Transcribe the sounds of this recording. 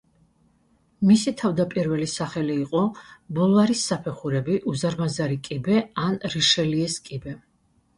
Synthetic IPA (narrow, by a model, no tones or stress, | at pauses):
misit̪ʰavd̪apʼiɾvɛlisaχɛliːqʼɔbɔlˠɔvaɾisːapʰɛχuɾɛbiʔuzaɾmazaɾikʼibɛanɾiʃɛliɛskʼibɛ